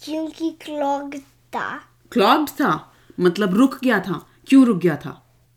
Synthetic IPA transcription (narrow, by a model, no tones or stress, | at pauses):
kjũːkiklɔːɡ | t̪a̰ | klɔːɡt̪ʰaː | mɐt̪ləbɾʊkʰɡɐjat̪ʰaː | kjũɾʊk̚ɡjat̪ʰa̰ː